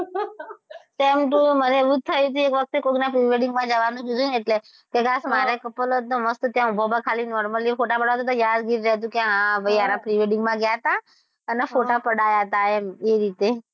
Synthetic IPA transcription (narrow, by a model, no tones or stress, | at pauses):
temʈ̪ũməneeʋũt̪ʰːəjũt̪̬iekʋək̚t̪ekoɡnapɾiʋeɖiŋɡmãd͡ʒəʋanũkid͡ʒ̪ueʈle | keɡasmaɾekəpəlot̪̚noməst̪t̪jãubʱobakʰalinɔɾməlifoʈapəɽaʋat̪ot̪ojad̪ɡiɾɾɛɦt̪̬ũkeãʋəianapɾiʋeɖiŋɡmãɡjat̪a | ənefoʈapəɽajat̪aemeɾit̪e